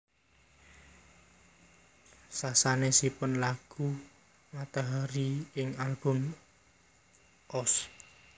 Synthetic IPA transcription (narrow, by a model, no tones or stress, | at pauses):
sasanesipʊnlaɡ̥u | mat̪aɦaɾiɪŋalb̥ʊm | ʔɔs